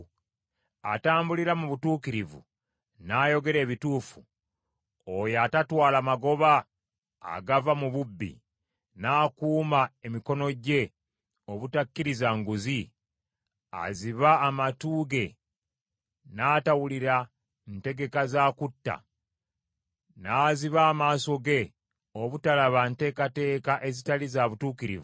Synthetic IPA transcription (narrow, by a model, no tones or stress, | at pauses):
ataːmbuliɾamuβutuːkiɾivṵ | najo̞ɡe̞ɾe̞ːβituːfṵ | ojatatwaːlamaɡo̞βa̰ː | ɡavamuβubːḭ | naːkuːmae̞miko̞no̞ɟe̞ | o̞βutakːiɾizaŋɡuzi | a̰ziβaːmatuːɡe̞ | naːtawuliɾa | nte̞ɡe̞kazaːkutːa̰ | naːziβaːmaːso̞ɡe̞ | o̞βutalaβante̞ːkate̞ːkaʔe̞zitalizaβutuːkiɾḭvu